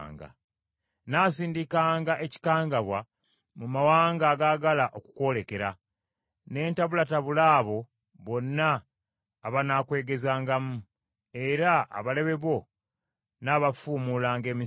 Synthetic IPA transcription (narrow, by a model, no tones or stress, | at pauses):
ŋɡa̰ | naːsiːndikaːŋɡaʔe̞ci̥kaːŋɡaβwa | mumawaːŋɡaːɡaːɡalaʔo̞ku̥kwo̞ːle̞ke̞ɾa | ne̞ːntaβulataβulaːβo̞ | βo̞nːaː | βanakwe̞ːɡe̞zaːŋɡamu | e̞ɾaa̰βale̞βe̞βo̞ | naːβafuːmuːlaːŋɡe̞ːmi